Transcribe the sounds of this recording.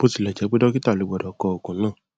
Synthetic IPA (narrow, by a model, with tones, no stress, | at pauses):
bo˦si˨lɛ˨d͡ʒɛ˨˦k͡pe˦dɔ˦ki˦ta˦˨lo˨˧˦ɡ͡bɔ˨dɔ˨kɔ˧˨o˨kũ˨˦nãː˦˨